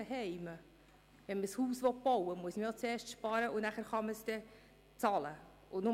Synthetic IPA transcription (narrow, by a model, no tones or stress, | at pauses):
ɛɦɛɪmə | ʋɛnməshuːsʋɔt̚b̥ɔwəmuəsməjot͡seːɾʃtʃpɑːɾəʔʊnæχæːɾχɑməsd̥ɛ | t͡sɑlə | ʔʊnʊ